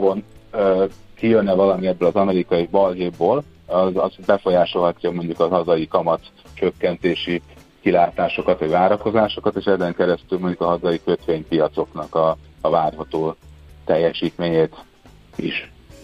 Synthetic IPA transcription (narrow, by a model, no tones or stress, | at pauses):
bonøkijønːɛvɒlɒmiɛbːøːlɒzɒmɛɾikɒjibɒlɦeːboːl | ɒzɒzbɛfo̞jaːʃo̞lɦɒcːɒmo̞ɲɟukɒɦɒzɒjikɒmɒt̪ | t͡ʃøkːɛnt̪eːʃi | kilaːt̪aːʃo̞kɒt̪ʋɒɟvaːɾɒko̞zaːʃo̞kɒt̪eːʃɛzɛŋkɛɾɛst̪ylmo̞ɲɟukɒɦɒzɒjikøt̪ʋeːɲpijɒt̪so̞knɒkɒːvaːrɦɒt̪oːt̪ɛjːɛʃiːt̪meːɲeːt̪ | iʃ